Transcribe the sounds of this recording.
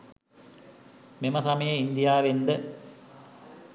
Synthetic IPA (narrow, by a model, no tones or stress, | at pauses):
memɐsɐmɐjɐind̪ijaːʋend̪ə